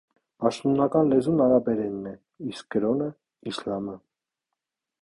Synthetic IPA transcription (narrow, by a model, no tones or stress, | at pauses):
pɑʃt̪nunɑkɑnlɛzunɑɾɑbɛɾɛnːɛ | isk̚ɡəɾɔnə | islɑmə